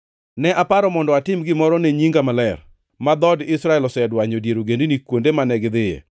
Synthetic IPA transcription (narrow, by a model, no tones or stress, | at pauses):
nɛʔapaɾɔmɔndɔatɪmɡɪmɔɾɔneɲiŋɡamalɛr | mad̪ɔdɪsɾaɛlɔsɛdwaɲɔdjeɾoɡendenikwondemanɛɡɪd̪ɪjḛ